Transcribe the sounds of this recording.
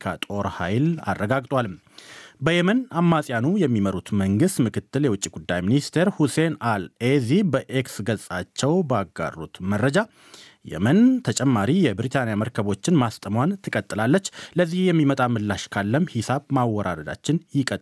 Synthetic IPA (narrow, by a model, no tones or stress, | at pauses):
kʰa̰t̪ʼo̞ɾha̰jla̰rːəɡaɡt̪ʼwalm | bəjɛmənamːasʼjanujɛmːiməɾut̪məŋɡɨst̪mɨkʰɨt̪ʰːɨljɛwʊt͡ʃʼːiɡud̪ːajminist̪ʰe̞ɾhusenalezibəʔeksɡəsʼat͡ʃːɛwbaɡːa̰rːo̰t̪mərːəd͡ʒa | jɛ̰mənt̪ʰət͡ʃʼɛmːaɾijɛbɾit̪ʰanjaməɾkʰəβo̞t͡ʃːɪnmast̪ʼəmwant̪ʰɨkʼət̪ʼːɨlalːət͡ʃːləzːihjɛmːimət̪ʼamɨlːaʃkʰalːəmhisaβmawːɔɾʔa̰d̪əd̪a̰t͡ʃːɪnjɪkʼət̪ʼ